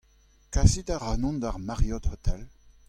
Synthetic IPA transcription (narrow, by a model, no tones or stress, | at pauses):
kasid̪aʁaːnɔ̃nd̪aʁmaʁjɔd̪hot̪ʰɛl